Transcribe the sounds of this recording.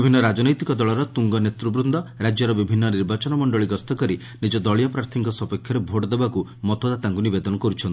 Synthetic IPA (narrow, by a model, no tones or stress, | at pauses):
ibʱinːɔɾad͡ʒɔnɔjt̪ikɔd̪ɔɭɔɾɔt̪uŋɡɔnet̪ɾubɾund̪ɔɾad͡ʒjɔɾɔbibʱinːɔniɾbat͡ʃɔnɔmɔɳɖɔɭiɡɔst̪ɔkɔɾi | nid͡ʒɔd̪ɔɭijɔpɾaɾt̪ʰiŋkɔsɔpekʰːjɔɾebʱoʈd̪ebakumɔt̪ʰod̪at̪aŋkunibed̪ɔnɔkɔɾut͡ʃʰɔnt̪i